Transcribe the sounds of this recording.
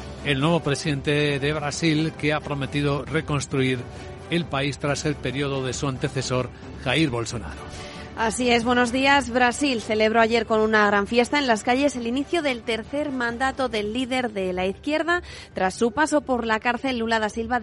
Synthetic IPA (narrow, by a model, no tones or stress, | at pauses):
e̞lnwe̞β̞o̞pɾesiðẽ̞nt̪e̞ðe̞βɾasilkeapɾo̞me̞t̪iðo̞re̞ko̞nst̪ɾuiɾ | e̞lpaist̪ɾase̞lpe̞ɾio̞ðo̞ðe̞suant̪e̞θe̞so̞ɾ | xaiɾβo̞lso̞na̰ɾo | asie̞zβwe̞no̞zðiazβɾasilθe̞le̞β̞ɾo̞aʝe̞ɾko̞nunaɣ̞ɾaɱfjest̪ae̞nlaskaʝe̞se̞liniθjoðe̞lt̪e̞ɾθe̞ɾmãnd̪at̪o̞ðe̞lːiðe̞ɾðe̞laiθkje̞ɾð̞a | t̪ɾasːupaso̞po̞ɾlakaɾθe̞lːulaðasilβa